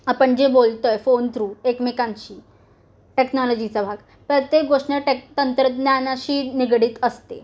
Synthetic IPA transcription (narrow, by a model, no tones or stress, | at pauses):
apəɳd͡ʑebolt̪ojfont̪ɾuːekmekant͡ɕiː | ʈeknɔlɔd͡ʑit͡sabʱaɡ | pɾət̪jekɡoʂɳəʈekt̪ənt̪ɾəd̪njanaɕiːniɡɽiːt̪əst̪e